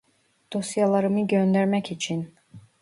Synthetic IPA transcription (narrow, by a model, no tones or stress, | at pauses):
d̪̥osijɑlˠɑɾɯmɯɟønd̪æɾmæcit͡ʃʰin